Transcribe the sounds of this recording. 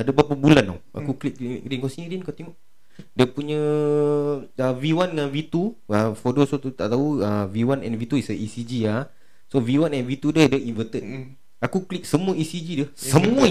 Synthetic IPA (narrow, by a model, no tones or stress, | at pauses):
adəbapabulana̰wa̰kuklik̚lɾinkosiniɾinkat̪eŋɔʔ | diəpuɲə̃ | əviwanŋanvit̪uəfodosot̪ut̪a̰ʔt̪auəviwanɛ̰nvit̪uisəʔisid͡ʒia | soviwanɛnvit̪udədəʔinvət̪ət̚ | akuklik̚səmũəisid͡ʒidəssəmũə